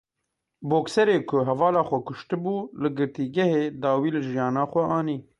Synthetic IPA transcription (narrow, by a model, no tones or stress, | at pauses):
boːksɛɾeːkʰʊɦɛvɑːlɑːxʷɛkʊʃt̪ɨbuːlɨɡɨɾt̪iːɡɛheːd̪ɑːwiːlɨʒijɑːnɑːxʷɛʔɑːniː